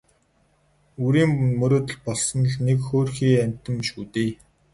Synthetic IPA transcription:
uɾiːmmɵɾoːt̪ə̆ɮpɔɮsɞ̆n̆ɮnekxoːrxiːæmʲt̪ə̆mʃuːt̪eː

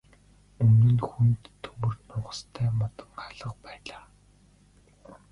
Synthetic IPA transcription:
ɵnɵ̆nxunt̪ʰːɵwɵ̆rt̪nʊɴʁə̥̆st̪ʰæːmɔt̪ə̆ŋɢaɮə̆qpæːɮaː

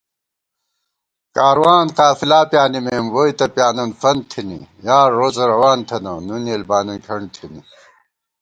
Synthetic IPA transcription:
kaːɾwaːnqaːfilaːpjaːnimemwojt̪ɐpjaːnɐnfɐnt̪ʰinḭjaːɾːoːt͡sɐɾɐwaːnt̪ʰɐnɐnunelbaːnɐnkʰɐɳt̪ʰini

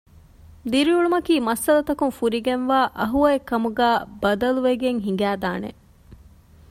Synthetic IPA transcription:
d̪iɾiuɭumɐkiːmɐsːɐlɐt̪ɐkunfuɾiɡenʋaːʔɐɦuɐekːɐmuɡæːbɐd̪ɐluʋeɡeŋɦiŋ̆ɡæːd̪aːnḛ

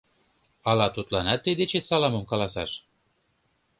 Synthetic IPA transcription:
ɑlɑt̪ut̪lɑnɑt̪ːed̪et͡ɕet̪sɑlɑmɤ̆mkɑlɑsɑ̰ʃ

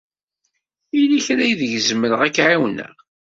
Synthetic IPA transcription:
iliçɾæjðəʝəzməɾəʁækːʕawnæ̰

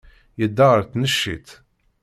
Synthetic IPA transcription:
jəd̪ːaʁəɾθnəʃːḭt̪

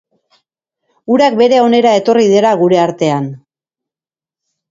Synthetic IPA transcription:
uɾak̚be̞ɾe̞o̞ne̞ɾae̞t̪o̞riðe̞ɾaɣ̞uɾe̞aɾt̪e̞an

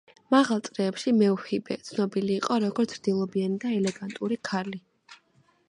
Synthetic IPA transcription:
maʁalˠt̪sʼɾɛːpʃimɛuhibɛ̰t̪sʰnɔbiliːqʼɔɾɔɡɔɾt̪sʰɾd̪̥ilˠɔbianid̪aɛlɛɡant̪ʼuɾikʰali

